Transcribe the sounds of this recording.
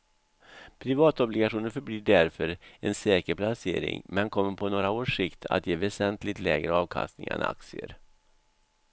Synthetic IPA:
pʰɾɪvɑːt̪ɔblɪɡaɧuːnəɾfœɾbliːɖæɾfœɾɛnsɛːkəɾpʰlasḛːɾɪ̰ŋmɛnkʰɔmːəɾpʰɔnoːɾaoːʂɪkt̪ʰa̰t̪jeːvɛsɛnt̪lɪt̪lɛːɡɾəɑːvkʰa̰st̪nɪ̰ŋa̰na̰k̚t̪sɪə̰ɾ

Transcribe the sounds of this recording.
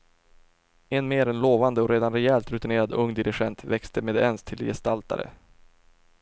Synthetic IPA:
ɛnmeːɾɛnloːvand̪əɔɾeːd̪anɾɛɛlt̪ɾɵt̪ɪneːɾad̪ɵŋːd̪ɪɾɪɧɛnt̪vɛkst̪ʰəmeːd̪ɛnst̪ʰɪljɛ̰st̪alt̪a̰ɾə̰

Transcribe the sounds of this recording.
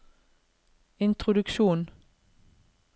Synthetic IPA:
ɪnt̪ʁʊd̪ʉkʃuːn

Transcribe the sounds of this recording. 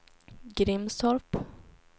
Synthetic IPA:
ɡɾɪmsɔɾp

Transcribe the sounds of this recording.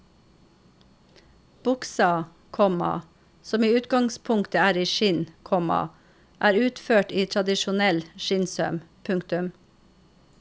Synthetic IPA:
b̥ʊksɑ | kʰɔmɑ̰ | sɔmiːʉːt̪ɡɑŋspʰʊŋkt̪əæːɾiːʃɪnkʰɔmɑ̰ | ʔæːɾʉːt̪føːʈiːt̪ʰɾɑd̪ɪʃʊnɛlʃɪnsœ̰mpʰʉŋkt̪ʉm

